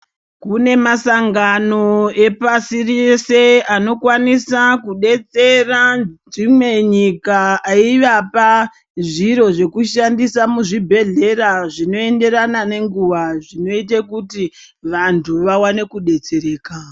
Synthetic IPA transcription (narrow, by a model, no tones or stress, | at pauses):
kune̞masaŋɡanoe̞pasirise̞ano̞kwanisakuɗe̞t͡se̞rad͡zimwe̞ɲikaːiʋapa | ʐiɾo̞ʐe̞kuʃandisamuʐibʱe̞ɮe̞ɾaʐino̞e̞nde̞ɾanane̞ŋɡuʋaʐino̞it̬akuti | ʋantʰuʋawane̞kuɗe̞t͡seɾe̞ːka